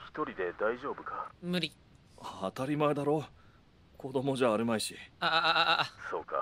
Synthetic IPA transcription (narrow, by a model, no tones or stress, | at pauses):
çi̥t̪o̞ɾʲid̪e̞d̪aiʑo̞ːbɯ̟kamɯ̟ɾʲi | aːt̪aɾʲimae̞d̪aɾo̞ | kʰo̞d̪o̞mo̞ʑaːɾɯmaiɕia | so̞ːka̰